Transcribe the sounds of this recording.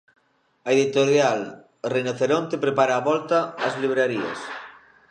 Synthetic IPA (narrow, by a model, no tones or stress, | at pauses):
aeðit̪oɾjal | rejnoθeɾõnt̪epɾepaɾaːβɔlt̪aːzliβ̞ɾaɾia̰s